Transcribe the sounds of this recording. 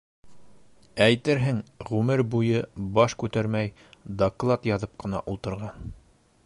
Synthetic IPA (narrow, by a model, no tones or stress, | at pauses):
æjt̪ɘɾɦɘŋʁʉmɘɾbujɤbɑʃkʉt̪æɾmæj | d̪oklˠat̪jɑðɤp̚qɤ̆nɑ̰ʔulˠt̪ɤ̆ɾʁɑn